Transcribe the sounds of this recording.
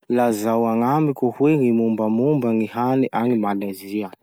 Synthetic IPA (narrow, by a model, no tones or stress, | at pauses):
lazawaŋamikʲuhweŋimumbəmumbaŋiɦaniʔaŋimalaziə